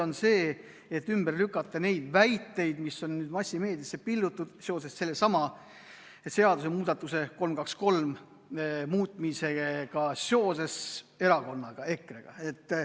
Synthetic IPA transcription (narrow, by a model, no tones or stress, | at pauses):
o̞nse̞ː | et̪ːymberlykːˑɑt̪ːˑɑne̞jd̪̥væjt̪ːe̞jd̪misːo̞nnyːd̪̥mɑsʲːime̞ːd̪̥jɑsːepild̪ut̪ːud̪̥soːs̬esːe̞lːesɑmɑ | et̪se̞ɑd̪us̬e̞muːd̪̥ɑt̪ːˑuse̞ko̞lmkɑksko̞lm | muːt̪ˑmise̞ɡ̥ɑseo̞ːse̞se̞ɾɑko̞nːɑɡ̥ɑe̞kːreɡ̥ɑ̰e̞t̪ː